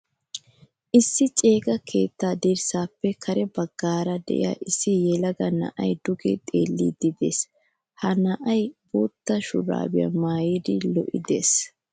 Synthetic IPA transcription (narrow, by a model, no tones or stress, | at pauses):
ʔɪsːɪt͡ʃʼe̞ːɡɐkʰe̞̰ːt̪ːaːd̪iɾsaːpːɛkʰɐɾɛbɐɡːaːɾɐd̪ɛ̰ʔɪ̰ja̰ʔɪsːɪjɛlɐɡɐnɐ̰ʔɐjd̪ʊɡɛt̪ʼe̞̰ːlːḭd̪ɪd̪e̞̰ːs | hɐnɐʔɐjbuːt̪ːɐʃʊ̰ɾa̰ːbɪjɐ̰maːjid̪ɪlɔ̰ʔɪd̪ḛːs